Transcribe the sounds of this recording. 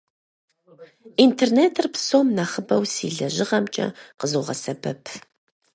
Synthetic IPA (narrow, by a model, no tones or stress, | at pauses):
intʰerneːtʰɨrpsomnaχəbɐwsiːɮɐʑɪʁɐmt͡ʃʼɐ̰qəzoːʁɐ̰sɐbʰɐpʰ